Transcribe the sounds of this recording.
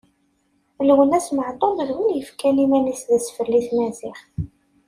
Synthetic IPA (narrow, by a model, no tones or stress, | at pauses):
lwənæsməʕt̪ˤobəðwinjəfkænimænisðæsfəlːiθmæzɪχ